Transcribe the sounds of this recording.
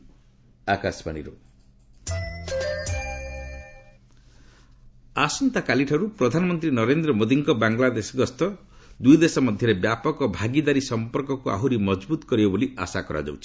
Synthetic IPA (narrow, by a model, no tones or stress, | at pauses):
akaspa̰nḭɾu | asɔnt̪akaliʈʰɔɾupɾɔd̪ʱanɔmɔnt̪ɾinɔɾend̪ɾɔmod̪iŋkɔbaŋlad̪esɔɡɔst̪ɔ | d̪ujd̪esɔmɔd̪ʱjɔɾebjapɔkɔbʱaɡid̪aɾisɔmpɔɾkɔkua̰ɦuɾimɔd͡ʒbut̪ɔ̥kɔɾibɔbolia̰sakɔɾa̰d͡ʒa̰wt͡ʃʰi̥